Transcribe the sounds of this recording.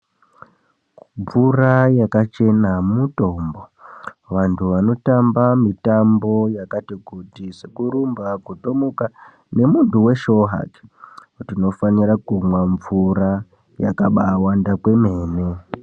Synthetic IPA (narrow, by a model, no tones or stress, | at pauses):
ɱvurajakat͡ʃe̞nammuto̞ːmbo̞ʋantʰuʋano̞tambamitambo̞jakatikutisekuɾumbakuto̞muka | ne̞muntuwe̞ʃo̞ɦa̰ki̥kutino̞faniɾakumwaɱvuɾa | ja̰kaɓawandakwe̞me̞ːne